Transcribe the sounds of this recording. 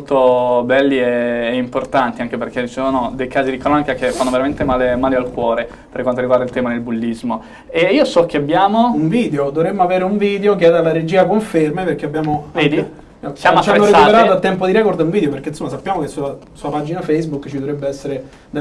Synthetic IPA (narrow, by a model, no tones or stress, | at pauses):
molt̪obɛlːieːimport̪ant̪iaŋk̟eperk̟eissonod̪ejkaːzid̪ikɾɔnikakefːanːoveɾament̪emaːlemaːlealkwɔːɾe | perkwant̪oɾiɡward̪ailt̪ɛːmanelbulːizmo | eiːosɔk̟ːeabːjaːmouɱviːd̪eod̪ovɾemːoaveːɾeuɱviːd̪eok̬eɛːd̪alːaɾed͡ʒiːakoɱfermeperk̟eabːjaːmoɛd̪i | sjamat͡ʃanːoɾeaupeɾaːt̪oat̪ːɛmp̬od̪iɾɛkord̪auɱvid̪eopeɾrk̟einsomːasapːjaːmokesua | suːapad͡ʒinafɛjsbukːt͡ʃid̪ovɾɛbːeɛsːeɾe | d̪e